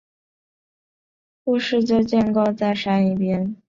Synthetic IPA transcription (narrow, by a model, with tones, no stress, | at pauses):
pu˥˧ʂɻ̩˥˧t͡ɕjo˥˧ʊt͡ɕjɛ˥˧nkɑ˥˧ʊt͡sa˥˩ɪʂa˥ni˥˩pjɛ˥n